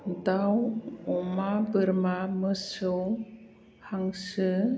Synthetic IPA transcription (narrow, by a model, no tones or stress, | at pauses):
dawɔmabəɾmaməsɯw | haŋsɯ